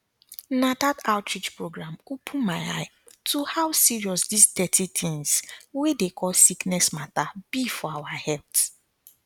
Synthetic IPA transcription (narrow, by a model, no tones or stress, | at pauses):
nadataʊtɹit͡ʃpɹoɡɾamupʰumaɪa̰ɪ | tʰuhaʊsiɹiɔsdistɛtitʰɪ̃ŋzwedekʰɔlsiknɛsmatabifɔawahɛlt